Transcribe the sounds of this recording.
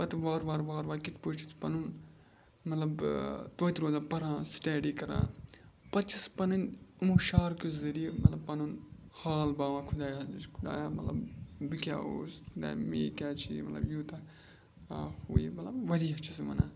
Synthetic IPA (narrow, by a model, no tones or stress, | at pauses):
pɐt̪ʋaːɾʋaːɾʋaːɾʋaːkit̪put͡ʃʰi̥t̪pɐnun | mɐt̪lɐbt̪oːt̪ɾoːzãːpɐɾãːsʈeːɖiːkɐɾã̰ːpɐt̪t͡ʃʰispɐnɐnmuːʃaːɾkʲuzzɐɾijmɐt̪lɐb̚pɐnun | haːlbaːʋãːkʰud̪aːjaːkʰud̪a̰ːjaːmɐt̪lɐ̰bːikʲa̰ːo̰ːskʰʊd̪a̰ːjmḛːkʲaːt͡ʃʰḭmɐ̰t̪lɐ̰bjuːt̪ɐ | huːjimɐt̪lɐbʋɐɾiːɐt͡ʃʰismɐ̰na̰ː